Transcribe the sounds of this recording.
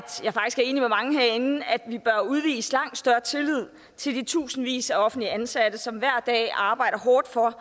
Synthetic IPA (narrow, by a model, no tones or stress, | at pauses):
jɑ̈ɪfɑ̈ɡ̥isɡ̥æɐe̝̰ːnimemɑ̈ŋəɦeɐ̰e̝nn̩æd̥ʋib̥ɶɐuð̞ˠʋḭːslɑ̈ŋ̰d̥sd̥ɶɐt͡sʰe̝lið̞̰ˠ | t͡sʰe̝ld̥it͡sʰṵːsn̩ʋḭːsæɒ̽fn̩dliænsæd̥əsɒ̽mʋæɐ̰d̥ɛ̰ːɑ̈ːb̥ɑ̈ɪ̰ɾ̥ɐɦɒːd̥fɒ̽